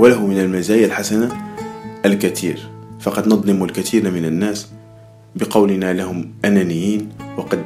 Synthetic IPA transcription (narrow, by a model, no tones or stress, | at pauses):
walaɦʊmɪnəlmazaːjalħasanaʔəlkat̪ʰḭːɾfɑqɑd̪nɑd̪ˤlɪmulkat̪iːɾmɪnanːæːs | bəqɑwlɪnalahʊmʔanænɪjːiːnwɑqɑd̪